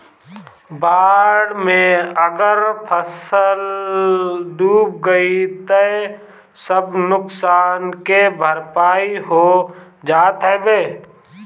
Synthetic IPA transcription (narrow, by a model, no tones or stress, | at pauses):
baːɽmẽəɡəɾpʰəsəl | ɖuːp̚ɡəit̪e | səbnʊksaːnkebʱəɾpaːiɦo | d͡ʒaːt̪ɦɛbeː